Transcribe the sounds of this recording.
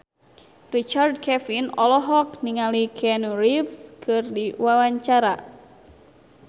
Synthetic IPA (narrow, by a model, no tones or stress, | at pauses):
rit͡ʃard̚kʰɛfinɔlɔɦɔkniŋalikʰɛnurifskʰɨrdiwawaɲt͡ʃaɾa